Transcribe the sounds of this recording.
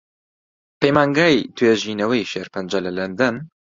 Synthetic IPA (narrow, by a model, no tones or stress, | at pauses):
pejmaːŋɡaːjt̪ʰweːʒiːnɐwɐjʃeːɾpɨnd͡ʒɐlɐlɐnd̪ɐn